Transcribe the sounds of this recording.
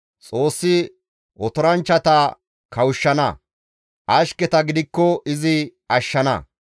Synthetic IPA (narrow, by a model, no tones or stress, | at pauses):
t͡sʼo̞ːsːɪ | ɔt̪ɔɾɐnt͡ʃːɐt̪ɐ | kʰɐwʊʃːɐnɐ̰ | ʔɐʃkɛt̪ɐɡɪd̪ɪkːɔʔɪzɪɐʃːɐnɐ̰